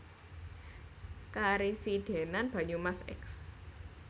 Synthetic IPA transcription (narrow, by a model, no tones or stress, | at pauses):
kaɾisiɖ̪̥e̤nanb̥ä̤ɲumasɛ̰ks